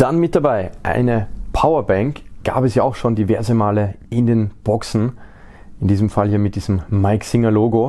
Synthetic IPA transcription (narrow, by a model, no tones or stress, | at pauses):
d̥anmɪt̚d̥abaɪʔa̰ɪnəpʰaʊɐbɛ̃ŋkɡ̥a̰ːpɛsjaːaʊxʃoːndivɛɐzəmaːləɪndeːnb̥ɔksn̩ | ɪndiːzəmfaljiːɐmɪt̚d̥iːzəmmaɪksɪŋɐloːɡo